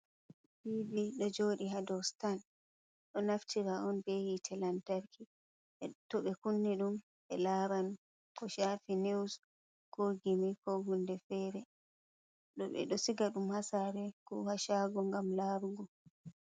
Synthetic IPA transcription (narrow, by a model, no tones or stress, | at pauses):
bibiɗɔd͡ʒoːɗiɦadɔstan | ɗɔnaftiɾaɔnbehitʰɛlantaɾkʰi | ɛtɔɓɛkunːɛɗum | ɛlaɾanu | kɔʃafiniws | kʰoɡimikɔhundɛfɛːɾɛ | ɗɔɓɛ̰ɗɔsiɡaɗumhasaɾɛkɔhaʃaːɡɔŋɡamlaːɾuɡɔ